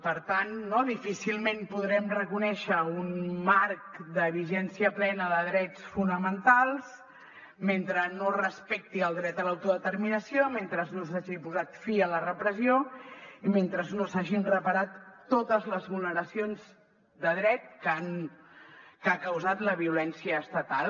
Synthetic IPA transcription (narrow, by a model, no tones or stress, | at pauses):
pəɾt̪anːɔðifisilˠmempuðɾɛmrəkunɛʃəunmaɾk̚d̪əβ̞iʒɛnsiəplɛnəðəðɾɛt͡sfunəmənt̪alˠs | ment̪ɾənorəspɛk̚t̪iəlˠd̪ɾɛt̪əlawt̪uðət̪əɾminəsioment̪ɾəznos̬aʒipuzat̪fiələrəpɾəzioiment̪ɾəznosaʒinrəpəɾat̪ːot̪əzləzβulˠnəɾəsionz | d̪əð̞ɾɛt̪̚kan | kakəwzat̪ləβiulɛnsiəːst̪ət̪alˠ